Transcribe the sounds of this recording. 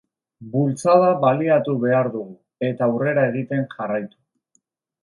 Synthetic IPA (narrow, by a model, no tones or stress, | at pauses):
bult͡sað̞aβaliat̪uβe̞aɾðuɣu | e̞t̪aːwre̞ɾae̞ɣ̞it̪e̞nʝarajt̪u̥